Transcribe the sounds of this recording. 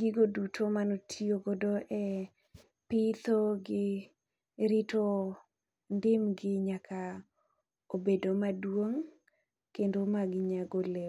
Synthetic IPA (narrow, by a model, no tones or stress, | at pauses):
ɡɪɡodutʰomanotʰioɡodoʔɛ | pɪt̪oɡɪ | ɾɪto | ndɪmɡɪɲakʰa | obedomadwoŋ | kendomaɡɪɲaɡole